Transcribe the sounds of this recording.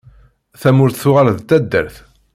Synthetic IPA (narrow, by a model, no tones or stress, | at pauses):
θæmʊɾθθʊʁalðt̪ːæd̪ːə̰ɾθ